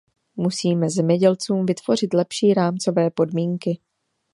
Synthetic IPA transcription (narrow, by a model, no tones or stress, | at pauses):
musiːmɛzɛmɲɛɟɛlt͡suːmvɪt̪v̥o̞r̝ɪt̪lɛpʃiːɾaːmt͡so̞vɛːpo̞dmiːŋkɪ